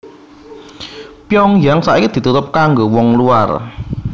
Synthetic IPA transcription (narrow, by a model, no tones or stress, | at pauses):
pjɔŋjaŋsa̰ʔikid̪̥i̤t̪ut̪ʊp̚kaŋɡowɔŋlua̰r